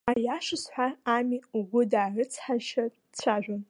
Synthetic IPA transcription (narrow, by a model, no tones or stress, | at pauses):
ajaʂɨsħʷaamiuɡʷʊdaːʕɨt͡sʰħaʃa | t͡sʷʰaʒᶣʷan